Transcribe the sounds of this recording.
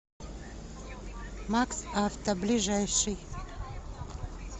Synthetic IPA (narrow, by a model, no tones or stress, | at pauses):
maksaft̪ɐblʲiʐajʂɨj